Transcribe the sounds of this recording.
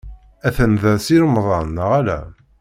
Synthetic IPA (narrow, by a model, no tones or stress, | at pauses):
æθənðæsiɾmðˤɑnːəʁælæ̰